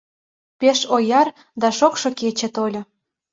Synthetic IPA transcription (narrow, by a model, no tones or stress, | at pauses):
peʃojɑr | d̪ɑʃokʃŏket͡ɕĕt̪olʲŏ